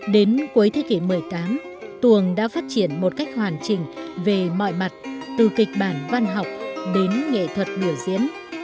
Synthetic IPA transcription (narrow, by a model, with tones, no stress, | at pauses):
ɗe˨˦nku˨˦jt̪ʰe˨˦ki˧˩mɨ˨˩əjt̪aː˨˦m | t̪wu˨˩əŋɗa̰ː˧˥faː˦˥t̚t͡ɕi˧˩ənmo˨˩t̚ka˦˥jk̟̚hwaː˨˩nt͡ɕï˨˩ŋ̟ve˨˩mɔ̰˧˨jma˨˩t̚t̪ɨ˨˩kï˨˩k̟̚ɓaː˧˩nva˧nɦa˨˩wk͡p̚ɗe˨˦nŋḛ˧˨t̪ʰwə˨˩t̚ɗɨ˧˩əzḭ˧˥əm